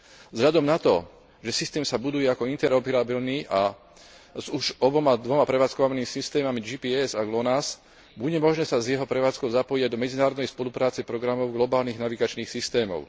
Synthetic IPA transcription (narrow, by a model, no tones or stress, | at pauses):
zɦʎad̪ɔmnat̪ɔ | ʒɛsist̪ɛːmsabud̪ujɛakɔint̪ɛɾɔpɛɾabilniʔa | zuʒɔbɔmad̪ʋɔmapɾɛʋaːt͡skɔʋaniːmisist̪ɛːmamid͡ʒipiːɛzaɡlɔnas | buɟɛmɔʒnɛːsazjɛɦɔpɾɛʋaːt͡skɔʊzapɔjiaɟd̪ɔmɛd͡zinaːɾɔd̪nɛjspɔlupɾaːt͡sɛpɾɔɡɾamɔʊɡlɔbaːlniːɣnaʋiɡat͡ʃniːxsist̪ɛːmɔ̰ʊ